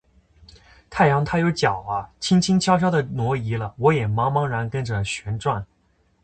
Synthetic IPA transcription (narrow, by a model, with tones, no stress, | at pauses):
t̪ʰa˥˩ɪjɑ˧˥ŋt̪ʰa˥jo˧˥ʊt͡ɕjɑ˨˩ʊɐ˦t͡ɕʰi˥ŋt͡ɕʰi˥ŋt͡ɕʰjɑ˥ʊɕ̬jɑ˥d̪ə˨˩nwɔ˧˥i˧˥lə˧wɔ˧˥jɛ˨˩mɑ˧˥ŋmɑ˧˥ŋɻa˧˥nkə˥nʈ͡ʂə˨ɕɥɛ˧˥nʈ͡ʂwa˥˩n